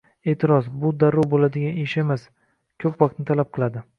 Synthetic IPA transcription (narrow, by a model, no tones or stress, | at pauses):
e̞ːt̪ʰɪɾɒsbʊd̪aɾɒbolad̪ɪɡʲaneʃemas | kʲʰɵpvɒqt̪nɪt̪ʰalap̚qʰɨlˠad̪ɪ